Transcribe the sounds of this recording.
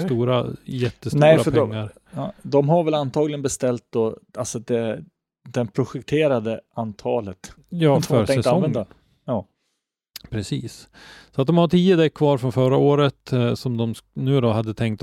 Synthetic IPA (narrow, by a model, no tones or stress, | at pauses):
st̪uːɾajɛt̪ːəstnɛjɾafœdɔŋːaɾ | d̪ɔmɦaɾvɛlant̪ʰɑːɡlɪɡənbɛst̪ɛlt̪̚d̪ɔalsɔd̪ɛ | d̪ɛnpʰɾʊɧɛk̚t̪ʰeːɾad̪əʔant̪ʰɑːlət̪ | jɑːfœɾɛŋɛsaɔvɛd̪a | jɑː | pʰɾɛsiːssɔat̪d̪ɔmhaʈ̪ʰiːəd̪ɛkʰːvɑːɾfɾɔnfœɾaoːɾət̪sɔmd̪ɔmnʉ̟ːd̪ɔɦad̪ːət̪ʰɛŋk̚t̪